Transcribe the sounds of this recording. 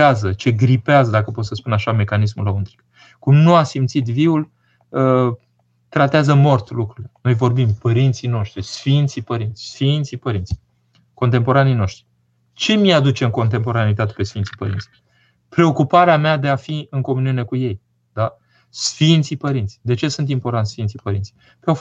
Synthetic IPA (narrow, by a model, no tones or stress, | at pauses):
azət͡ʃe̞ɡɾipeazəd̪akəpo̞t̪səspunaʃame̞kanismulaunt̪ɾi̥k | kumnuasimt̪sit̪viul | ə | t̪ɾat̪eazəmo̞rt̪lukɾuleno̞jvo̞rbimpəɾint̪sijno̞ʃt̪ɾisfint̪sipəɾint̪sʲsfint̪sipəɾint̪si | ko̞nt̪e̞mpo̞ɾanijno̞ʃt̪ɾi̥ | t͡ʃe̞miad̪ut͡ʃe̞ɨŋko̞nt̪̬e̞mpo̞ɾanit̪at̪e̞pesfint̪sipəɾḭnt̪si | pɾe̞o̞kupaɾeamead̪e̞afiɨŋko̞muniune̞kuje̞j | d̪a | sfint̪sipəɾint̪sʲd̪e̞t͡ʃe̞sunt̪impo̞rt̪ant̪sfint̪sipəɾint̪si̥ | peo